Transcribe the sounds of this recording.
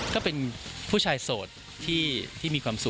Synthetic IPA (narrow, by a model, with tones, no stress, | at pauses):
kɔː˥˩pe˧npʰuː˥˩t͡ɕʰaː˧jsoː˨˩t̪ʰːiː˥˩t̪ʰiː˥˩miː˧kʰwaː˧msu˨˩